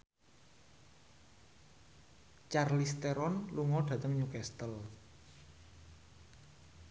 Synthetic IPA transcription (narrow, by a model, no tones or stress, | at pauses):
t͡ʃarlist̪eɾɔnluŋɔɖ̥ä̤t̪əŋɲukɛst̪əl